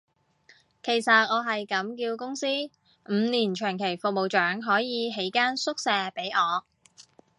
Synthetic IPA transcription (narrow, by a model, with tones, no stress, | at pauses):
kʰe˨˩jsɐ˨t̚ŋɔː˨˧ɦɐ˨jkɐ˨˧˥mkiː˧wkʊ˥ŋsiː˥ | m̩ː˨˧niː˨˩nt͡ʃʰœː˨˩ŋkʰe˨˩jfʊ˨k̚mo˨wt͡ʃœː˨˥ŋɦɔː˨˥jiː˨˧ɦe˨˥jkaː˥nsʊ˥k̚sɛː˨˧pe˨˥jʔɔː˨˧